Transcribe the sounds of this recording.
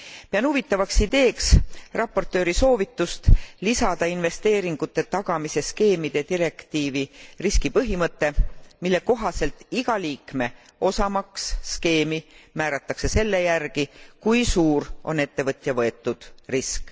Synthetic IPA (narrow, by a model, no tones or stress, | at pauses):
peɑnhuvit̪ːˑɑvɑksid̪̥e̞ːksrɑpːˑo̞rt̪ːˑø̞ːɾiso̞ːvit̪ːˑust̪lisɑd̪̥ɑinve̞st̪e̞ːɾiŋɡ̥ut̪ˑːe̞t̪ɑɡ̥ɑmise̞ske̞ːmid̪̥et̪iɾe̞kt̪iːviriskipɤɦimɤt̪ːe̞milːe̞ko̞ɦɑse̞lt̪iɡ̥ɑliːkme̞ | o̞sɑmɑksːke̞ːmimæːɾɑt̪ˑːɑkse̞se̞lːe̞jærɡ̥ikujsuːrʔo̞̰ne̞t̪ːe̞vɤt̪ʲˑjɑvɤe̞t̪ːˑud̪̥risk